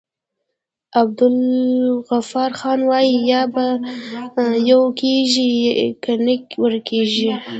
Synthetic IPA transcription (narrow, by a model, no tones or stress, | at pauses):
ab̚d̪ʊlɣafɑɾxɑnwɑjijɑba | jawkeʒikanɪkwəɾkʰeʒi